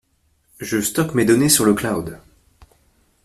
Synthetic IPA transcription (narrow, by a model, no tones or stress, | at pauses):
ʒəst̪ɔkmed̪ɔnesyʁləklad̪